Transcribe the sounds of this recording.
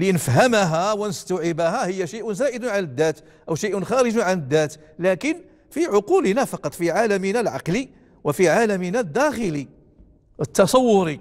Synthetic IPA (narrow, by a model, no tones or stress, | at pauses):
linəfɦæmɦæwənəst̪aʕɪbaɦæhəjːaʃəjʔʊnzæːʔəd̪ʊnʕaləd̪ːæt̪ | ʔəwʃəjʔʊnxæɾəd͡ʒʊnʕanəd̪ːæt̪ | lækən | fiʕʊqulnæfɑqɑt̪ˤfiʕaləmənælʕɑ̰qli | wəfiʕaləminæd̪ːæxəli | ət̪ːɑsˤɑwːʊɾi